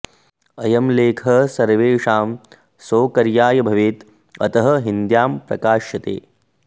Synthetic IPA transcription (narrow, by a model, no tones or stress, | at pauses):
ɐjɐmleːkʰɐsɐɾʋeːʂaːm | soːkɐɾjaːjɐbʱɐʋeːt̪ | ɐ̰t̪ɐɦɐɦind̪jaːmpɾɐ̰kaːʃjɐt̪ḛː